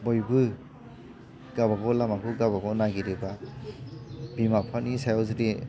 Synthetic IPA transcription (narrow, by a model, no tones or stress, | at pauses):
bɔjbɯ | ɡabaɡɔlamakuɡabaɡɔnaɡiɾiba | bimapʰanisajawzɯde